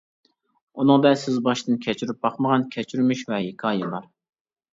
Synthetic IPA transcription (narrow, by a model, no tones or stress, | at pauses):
unɨŋd̪ɛsɪzbɑʃt̪ɨnkʲʰɛt͡ʃʰyɾyp̚bɑχməʁɑnkʲʰɛt͡ʃʰyɾmyʃvɛɦɪkʰɑːjɛbɑɾ